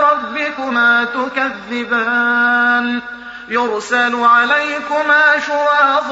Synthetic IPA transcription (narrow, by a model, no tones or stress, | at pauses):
ɾˤɑbːɪkʊmaːt̪ʊkaðːɪbaːn | jʊɾsalʊʕalajkʊmaːʃʊɾaːf